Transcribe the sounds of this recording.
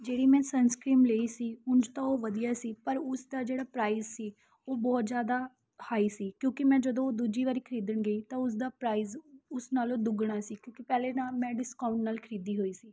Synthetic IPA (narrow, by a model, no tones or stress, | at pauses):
d͡ʒeːɽiːmɛ̃ːsənskɾiːmleːiːsiːʊnd͡ʒt̪ãːoːʋəd̪ijaːsiːpəɾʊsd̪aːd͡ʒeːɽaːpɾaːizsiː | oːbɔːt̪zjaːd̪aː | haːiːsiːkjõːkɪmɛ̃ːd͡ʒəd̪õːoːd̪uːd͡ʒiːʋaːɾiːkʰəɾiːd̪əɳɡəiːt̪ãːʊs̬d̪aːpɾaːiːzʊsnaːlõːd̪ʊɡɳaːsiːkjõːkɪpɛːleːnaːmɛ̃ːɖɪskaːʊ̃ɳʈnaːlkʰəɾiːd̪iːɦoːiːsiː